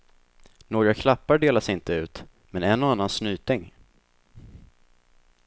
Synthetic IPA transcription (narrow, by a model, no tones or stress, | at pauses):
noːɡɾakʰlapːaɖeːlasɪnt̪əʉ̟ːt̪ | mɛnɛnːɔanːansnyːt̪ɪŋ